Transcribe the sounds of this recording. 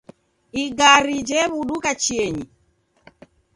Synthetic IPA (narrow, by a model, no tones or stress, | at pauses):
iɡaɾid͡ʒɛβuɗukat͡ʃiɛɲi